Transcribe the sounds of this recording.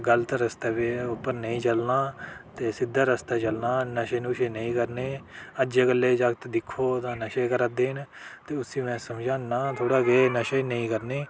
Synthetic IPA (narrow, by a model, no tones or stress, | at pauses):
ɡəlt̪aɾəst̪aːpeopːəɾnəĩːt͡ʃəlnaːt̪eːsɪd̪ʱːaːɾəst̪aːt͡ʃəlnaːnəʃeːnũːʃeːnəĩːkəɾneːəd͡ʒeːɡəlːeːd͡ʒəɡt̪d̪ɪkʰːoːt̪ãːnəʃeːkəɾad̪eːn | t̪eːʊsĩːmɛ̃ːsəmd͡ʒãːnaːt̪ʰoːɽaːɡeːnəʃenəĩːkəɾneː